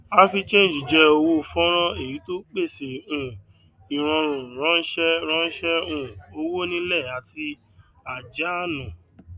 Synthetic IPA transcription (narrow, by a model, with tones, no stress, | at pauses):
a˦fi˧t͡ʃẽ˦˨d͡ʒi˨d͡ʒɛ˨˦o˧wo˦˨fɔ̃˦ɾ̃ɔ̃˦e˦˨ji˨˦to˦k͡pe˦˨se˨ũ˨ | i˨ɾ̃ɔ̃˧ɾ̃ũ˨ɾ̃ã˦ʃɛ˦ɾ̃ɔ̃˦ʃɛ˦ũ˦˨o˧wo˦nĩ˦lɛ˦˨a˨ti˧ | a˨d͡ʒa˨˦a˦˨nũ˨